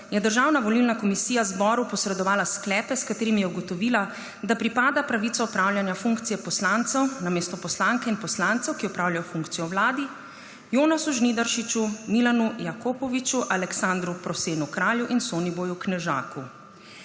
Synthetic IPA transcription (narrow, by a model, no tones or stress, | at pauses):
jɛd̪əɾʒaːwnaʋɔlilnakɔmisiːjazbɔɾupɔsɾɛd̪ɔʋaːlasklɛːpɛskat̪eːɾimijɛuɡɔt̪ɔʋiːla | d̪apɾipaːd̪apɾaʋit̪sɔɔpɾawljanjafuŋkt̪sijɛpɔslant̪sɛwnameːst̪ɔpɔslaŋkɛinpɔslant̪sɛwkiɔpɾaːwljajɔfuŋkt̪sijɔwlaːd̪i | joːnasuʒnid̪aɾʃit͡ʃumilanujakopɔʋit͡ʃuʔalɛksand̪ɾupɾɔseːnukɾaːljuʔinsoːnibojuknɛʒa̰ːku